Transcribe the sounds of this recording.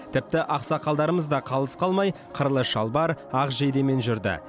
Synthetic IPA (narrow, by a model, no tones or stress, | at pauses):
t̪ʰɪp̚t̪ɪʔɑqsɑqʰɑlˠd̪ɑɾəməzd̪ɑqʰɑlˠəsqʰɑlˠmɑj | qʰəɾlˠəʃɑlˠbɑɾɑqʒejd̪eme̞nʒʏɾd̪ɪ̰